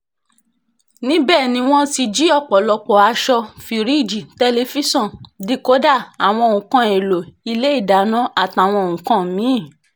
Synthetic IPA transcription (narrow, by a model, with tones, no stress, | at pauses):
nĩ˦bɛː˦˨nĩ˧˦w̃ɔ̃˦ti˧d͡ʒi˦ɔ˦˨k͡pɔ˨lɔ˧k͡pɔ˨a˧ʃɔ˧fi˧ɾi˦˨d͡ʒi˨te˧le˧fi˦sɔ̃˦˨di˦ko˨˦da˦˨a˨w̃ɔ̃˧o˨ũ˨kã˧e˨lo˨i˧le˦i˦˨da˨˦nã˦a˦˨ta˨w̃ɔ̃˧o˨ũ˨kã˦mĩ˨˦˨